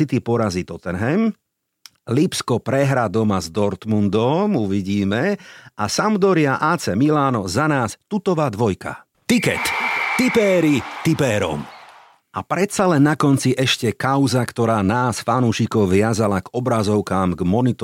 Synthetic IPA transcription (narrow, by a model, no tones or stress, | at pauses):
it̪ipɔɾazit̪ɔt̪ɛnɦɛm | lipskɔpɾɛɦɾad̪ɔmazd̪ɔɾt̪mund̪ɔmuʋiɟiːmɛʔasamd̪ɔɾɪaʔaːt͡sɛmilaːnɔzanaːst̪ut̪ɔʋaːd̪ʋɔjka̰ | t̪ikɛ̰t̪ːipɛːɾit̪ipɛːɾɔ̰m | ʔapɾɛt̪salɛnːakɔnt͡siʔɛʃcɛkaʊzakt̪ɔɾaːnaːsfanuːʃikɔʊʋɪazalaɡɔbɾazɔʊkaːmɡmɔnit̪ɔ